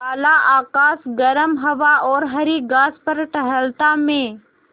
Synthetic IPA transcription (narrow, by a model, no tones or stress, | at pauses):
aːlaʔaːkaːsɡɐɾəmɦɐʋaɔːɾɦɐɾiɡaːspɐɾʈəɦəlt̪amẽː